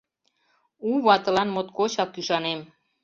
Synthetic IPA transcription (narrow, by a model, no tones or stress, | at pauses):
uβɑt̪ə̆lɑnmot̪kot͡ɕɑkkyʃɑnem